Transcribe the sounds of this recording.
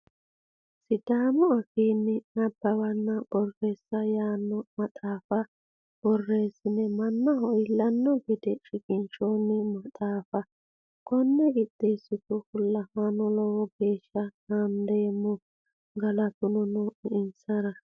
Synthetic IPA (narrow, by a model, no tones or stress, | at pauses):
sɪd̪aːmʊɐkiːnːɪnɐbːɐwɐnːɐb̥ɔrːeːsːɐjaːnːɔmɐt̪ʼaːfɐ | b̥ɔrːeːsɪnɛmɐnːɐɦɔjɪlːɐnːɔɡɪd̪ɛʃʼɪkʼɪnt͡ʃoːnːɪmɐt̪ʼaːfɐ | kʰʼɔnːɛɡɪd̪ɪsːɪt̪ʊfʊlːɐhɐnɔlɔwɔɡeːʃːɐnaːnd̪eːmːɔ | ɡɐlɐt̪ʊnɔnɔʔɪɪnsɐɾɐ